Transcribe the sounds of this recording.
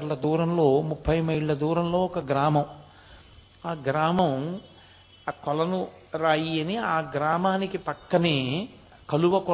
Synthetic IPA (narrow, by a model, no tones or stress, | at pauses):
lːɐd̪uːɾɐmlo̞ːmupʰːɐjmɐiɭːɐd̪uːɾɐmlo̞ːɔkɐɡɾaːmɐm | aːɡɾaːmɐm | kɔlɐnu | ɾaːjiɐniaːɡɾaːmaːnikipɐkːɐneː | kɐluʋɐkɔ